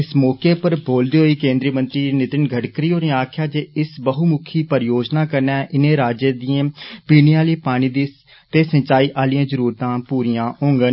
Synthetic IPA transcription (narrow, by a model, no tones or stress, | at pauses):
ɪsmɔːkeːpəɾboːld̪iːɦoːiːkẽːnd̪ɾiːmə̃nt̪ɾiːnɪt̪ɪnɡʱəʈkɾiːoːneːaːkʰjaːd͡ʒeːɪsbəɦuːmʊkʰiːpəɾjoːd͡ʒnaːkəɾnɛːʔɪnẽːɾaːd͡ʒəd̪ijãːpiːniãːliːpaːɽ̃iːd̪iː | t̪eːsəɲt͡ʃaːiːʔaːlijãːzəɾuːɾt̪ãːpuːɾijãːõːŋɡən